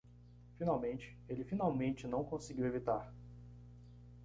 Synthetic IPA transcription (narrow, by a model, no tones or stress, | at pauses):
finawmẽnt͡ʃɪ̥elɪfinawmẽnt͡ʃɪnɐ̃w̃kõsɪɡiwevit̪aɾ